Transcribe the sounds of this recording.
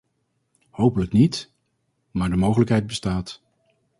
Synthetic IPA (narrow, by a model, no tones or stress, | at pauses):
howpələknit | maːɹdəmowχələkɦɛjt̚bəstaːt